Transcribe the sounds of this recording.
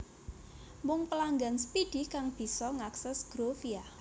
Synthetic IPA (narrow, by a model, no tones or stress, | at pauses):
mʊŋpəlaŋɡanspid̥i̤kaŋb̥i̤sɔŋaksɛsɡ̥ɾofia